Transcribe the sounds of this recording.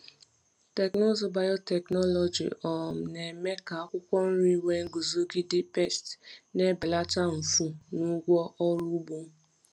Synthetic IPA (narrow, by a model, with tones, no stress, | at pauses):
te˨kno˦zo˦ba˨jɔ˦tɛ˨knɔ˦lɔ˨d͡ʒḭ˨ʔɔ˨m̩˨ne˨me˦ka˨a˦kʷʊ˦kʷɔ˦n̩˦ɾi˦we˦ŋ̩˦ɡu˨zo˦ɡɪ˦dɪ˦pe˦˨stne˦bɪ˨la˦t͡ʃa˦m̩˨fu˦nu˦ɡʷɔ˦ʔɔ˦ɾu˦bo˦m˦